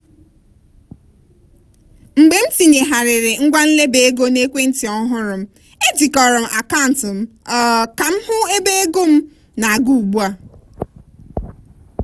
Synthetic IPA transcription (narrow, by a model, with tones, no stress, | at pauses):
ŋ͡m̩˨ɡ͡be˨m̩˦ti˨ɲe˨ɦa˨ɾɪ˨ɾɪ˨ŋ̩˦ɡʷa˦n̩˦le˦be˨e˦ɡo˦ne˦kʷe˦n̩˦ti˨ɔ˦ɦʊ˦ɾʊ˨m̩˦ | e˦d͡ʒi˨kɔ˨ɾʊ˨m̩˨ʔa˨ka˦˨n̩˨tʊ˨m̩˦ | ɔ˨ka˨m̩˦hʊ˦e˦be˦e˦ɡo˦m̩˦ | na˨a˨ɡu˦u˨ɡ͡bu˦a˦